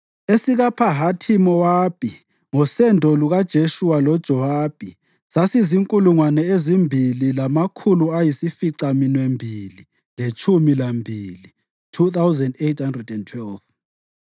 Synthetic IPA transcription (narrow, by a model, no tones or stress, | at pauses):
esiɣapʰaɦatʰimɔwapʰʼi | ŋɔsɛndʱɔluɣad̥ʒ̥ʱeʃuwalɔd̥ʒ̥ʱɔwaːb̥ʱi | sasiziŋkʼuluŋwanɛezimbʱililamakʰuluajisifiǀaminwembʱili | let͡ʃʰʼumilambʱili | tʰuθawzɛndejthandrɛdɛntʰwɛlv